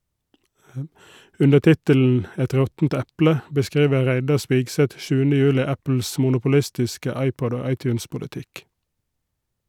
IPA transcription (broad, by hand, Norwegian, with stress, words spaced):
ˈʉnə ˈtɪtəln̩ ˈɛt ˈɾɔtn̩t ˈɛplə bəˈskɾiːʋə ˈɾæɪdɑ ˈspɪɡˌsɛt ˈʃʉːənə ˈjʉːlɪ ˈæpl̩s mʊnʊpʊˈlɪstɪskə ˈɑɪˌpɔd ˈoː ˈɑɪˌtjʉːnspʊlɪˌtɪk